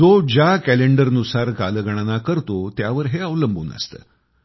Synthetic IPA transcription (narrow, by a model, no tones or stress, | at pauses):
od͡ʑjakæleɳɖəɾnusaɾka̰ləɡʱəɽ̃anakəɾt̪ot̪jaʋəɾɦeəʋləmbʱuːnə̰st̪ə̰ː